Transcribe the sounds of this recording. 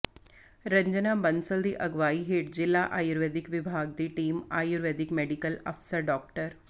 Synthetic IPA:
ɾəɲd͡ʒənabənsəld̪iʔɐɡʋaːiɦeːʈ̚d͡ʑilːaʔaːjuɾʋed̪ikʋibʱaːɡ̚d̪iːʈiːma̰ːjuɾʋed̪ikmeɽikələ̰fsəɾɖɔːk̚ʈəɾ

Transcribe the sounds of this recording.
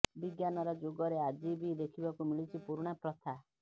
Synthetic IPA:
biɡjanɔɾɔd͡ʒoɡɔɾead͡ʒibid̪ekʰibakumiɭit͡ʃʰipuɾɽ̃apɾɔt̪ʰa

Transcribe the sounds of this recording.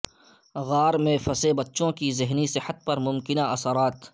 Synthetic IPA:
ɣaːɾmẽfɐsebɐtːʃõkizɪɦnisɪhət̪̚pɐɾmʊmkɪnaʔɐsəɾaːt̪

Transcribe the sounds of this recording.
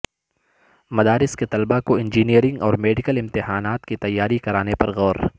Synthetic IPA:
mɐd̪aːɾɪsket̪ɐlbakoɪ̃nd͡ʒiːnijəɾɪ̃ŋɡɔːɾmeːɖɪkəlɪmt̪ɪɦaːnaːt̪kit̪ɐjːaːɾikɐɾaːnepɐɾɣɔːɾ

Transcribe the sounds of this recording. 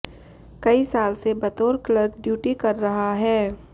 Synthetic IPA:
kɐisaːlsebɐt̪oːɾkləbɖjuːʈikɐɾːɐɦaɦɛː

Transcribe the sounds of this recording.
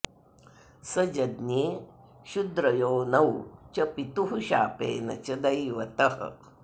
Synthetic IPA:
sɐd͡ʒɐd̪neː | ʃud̪ɾɐjoːnɐwt͡ʃɐpit̪uɦuʃaːpḛːnɐ̰t͡ʃɐd̪ɐjʋɐt̪ɐhɐ̰

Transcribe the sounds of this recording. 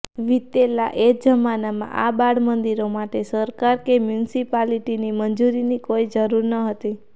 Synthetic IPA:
ʋit̪ːelaʔed͡ʒəmanamã̰ʔabaɽmənd̪iɾomaʈesəɾkaɾkemjunsipaliʈinimənd͡ʒuɾinikoid͡ʒəɾuɾnəɦət̪i

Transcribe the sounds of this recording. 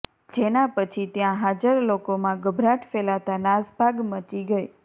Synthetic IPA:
d͡ʒenapət͡ʃʰit̪jãɦad͡ʒəɾlokomãɡəbʱɾaʈʰfelat̪anasbʱaɡmət͡ʃiɡəj

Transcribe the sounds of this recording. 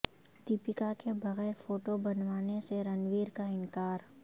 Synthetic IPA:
t̪ipɪkakebɐɣɛːɾfoːʈobɐnwaːneseɾɐnʋiːɾkaɪ̃nkaːɾ

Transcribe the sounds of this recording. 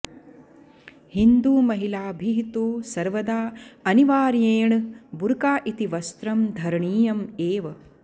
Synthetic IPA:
hind̪uːmɐɦilaːbʱiɦit̪uːsɐɾʋɐd̪aːɐniʋaːɾjeːɳɨbuɾkaːʔit̪iʋɐst̪ɾɐmd̪ʱɐɾɳiːjɐmeːʋɐ

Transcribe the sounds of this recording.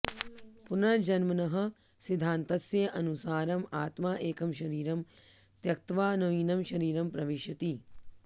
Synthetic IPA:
punɐɾd͡ʒɐnmɐnɐɦɐ̆ | sid̪ʱaːnt̪ɐsjɐʔɐnusaːɾɐmaːt̪maːʔeːkɐmʃɐɾiːɾɐmt̪jɐk̚t̪ʋaːnɐʋiːnɐmʃɐɾiːɾɐmpɾɐʋiʃjɐt̪i

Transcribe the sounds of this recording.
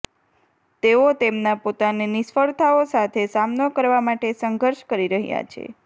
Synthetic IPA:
t̪eot̪emnapot̪anenisfəɭt̪ʰaosat̪ʰesamnokəɾʋamaʈesəŋɡʱəɾʃkəɾiɾəɦja̰t͡ʃʰḛ

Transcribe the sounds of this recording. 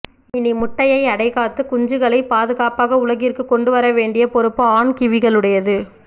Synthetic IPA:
ɪnimʊʈːɐjɐɪɐɽɐɪɣaːt̪ːɯkʊɲd͡ʒɯɣɐɭɐɪpaːðɯɣaːpaːɣɐʊɭɐɣɪrkɯkːɔɳɖɯʋɐɾɐʋeːɳɖɪjɐpɔɾɯpːɯaːɳkɪʋɪɣɐɭɯɽɐjɐðɯ

